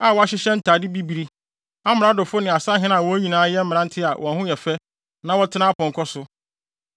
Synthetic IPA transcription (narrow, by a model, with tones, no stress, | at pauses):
a˨wɔ˨a˨˦ɕɪ˦ɕɛ̃˦n̩˦tʰaː˨dɪ˦bi˦bi˨ɾi˦ | a˦mɪ̃˨ɾa˦dʊ˨fʊ˦nɪ̃˨a˨sa˦ɦɪ̃˦ñ˦a˨wɔ˨˦æ˦ɲĩ˨nãː˦jɛ˦m̩˦mɪ̃˨ɾã˦n̩˦tʰɪ˦a˨wʔɔ̃˨hʊ̃˦jɛ˨fɛ˦ | nã˦wɔ˦tʰɪ˦nã˦pʰɔ̃˨ŋkʰɔ˦sʊ˦